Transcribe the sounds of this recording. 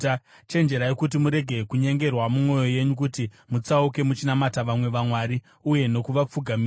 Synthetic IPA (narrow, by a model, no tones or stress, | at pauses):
t͡ʃe̞nd͡ʒe̞ɾajekutimuɾe̞ɡʱe̞kuɲe̞ŋɡe̞rwamumwo̞jo̞je̞ɲukuti | mut͡sauke̞mut͡ʃinamataʋamwe̞ʋamwaɾi | uje̞no̞kuʋap͡fuɡʱami